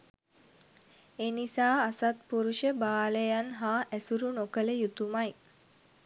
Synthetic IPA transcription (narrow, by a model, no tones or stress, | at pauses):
enisaːasat̪̚puɾuʃəbaːləjanɦaːʔæsuɾunokələjut̪umaj